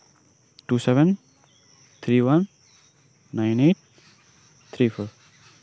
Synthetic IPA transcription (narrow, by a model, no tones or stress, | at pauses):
ʈuːsɛʋɛ̃n | t̪ʰɾiːʋʌ̃nː | ãɪneːʈ̚ | t̪ʰɾiːfʰo